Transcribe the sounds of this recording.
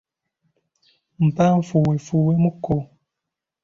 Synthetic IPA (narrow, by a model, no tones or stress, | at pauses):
m̩pam̩fuwefuwemuko